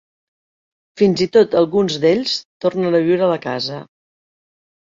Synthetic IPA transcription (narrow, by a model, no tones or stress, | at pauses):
finzit̪ot̪əlˠɣunzd̪eʎst̪ornənəβiwɾələkazə